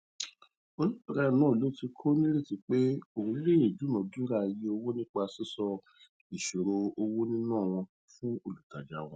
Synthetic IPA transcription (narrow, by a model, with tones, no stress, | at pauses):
o˧nĩ˦ɔ˨ɾa˦˨nãː˨˦˨lo˨˦ti˧kʰo˦nĩ˦ɾe˦˨ti˨˧k͡pe˦o˨ũ˨˧˦le˦˨e˨d͡ʒu˨˦nã˨dũ˦ɾa˦˨je˧o˧wo˦nĩ˦k͡pa˧si˦sɔ˧ | i˨ʃo˨ɾo˧o˧wo˦nĩ˦nãː˦˨w̃ɔ̃˧ | fũ˦o˨lu˨ta˨d͡ʒa˦w̃ɔ̃˧˦